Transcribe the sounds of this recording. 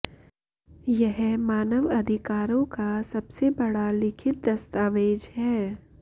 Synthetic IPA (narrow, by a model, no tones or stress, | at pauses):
jɛɦmaːnəʋɐd̪ʱɪkaːɾõkasɐbsebɐɽalɪkʰɪt̪̚d̪ɐst̪aːʋeːd͡ʒhɛː